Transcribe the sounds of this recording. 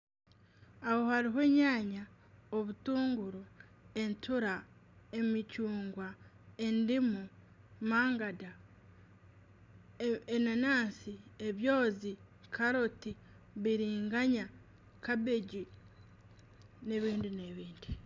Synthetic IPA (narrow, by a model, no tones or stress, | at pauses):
aho̞haɾiɦe̞ːɲaːɲa | oβutuːŋɡuɾoe̞ntʰuɾae̞micuːŋɡwa | e̞ndimu | maːŋɡada | enanaːnsieβjo̞ːzi | kʰaɾoti | βiɾiːŋɡaɲa | kabe̞ɟi | ne̞βiːndine̞βiːndi